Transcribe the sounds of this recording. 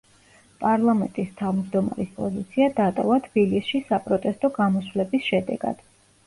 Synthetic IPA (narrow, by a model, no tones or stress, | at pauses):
pʼaɾlˠamɛnt̪ʼist̪ʰavmd͡ʒd̪ɔma̰ɾispʼɔzit̪sʰiad̪at̪ʼɔvat̪ʰb̥ilisʃisapʼɾɔt̪ʼɛst̪ʼɔɡamɔswlɛbisʃɛd̪ɛ̰ɡ̥a̰d̪̥